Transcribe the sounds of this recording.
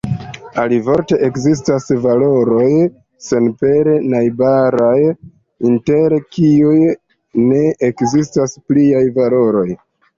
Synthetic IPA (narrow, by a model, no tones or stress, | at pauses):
alivo̞ɾte̞ʔekzis̬tasvalo̞ɾo̞j | se̞npe̞ɾenajbaɾaj | inte̞ɾekiuj | ne̞ekzistaspliajvalo̞ɾo̞j